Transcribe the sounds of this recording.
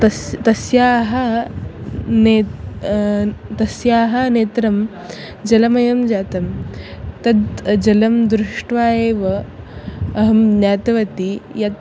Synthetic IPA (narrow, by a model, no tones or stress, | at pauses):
t̪ɐt̪ɐsjaːɦɐ | ne | t̪ɐsjaːɦɐneːt̪ɾɐm | d͡ʒɐlɐmɐjɐmd͡ʒaːt̪ɐmt̪ɐd̪d͡ʒɐlɐmd̪ɾuʂʈʋaːjeːʋɐ | ɐɦɐmnjaːt̪ɐʋɐt̪ijɐt̪